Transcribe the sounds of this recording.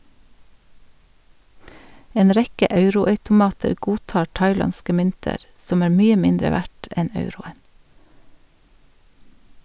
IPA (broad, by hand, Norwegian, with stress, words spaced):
ˈeːn ˈɾɛkə ˈʔɑʉɾʊɑʉtʊˌmɑːtəɾ ˈɡuːˌtɑːɾ ˈtɑɪˌlɑnskə ˈmʏntəɾ ˈsɔm ˈæːɾ ˈmyːə ˈmɪndɾə ˈʋæʈ ˈɛn ˈɑʉɾʊən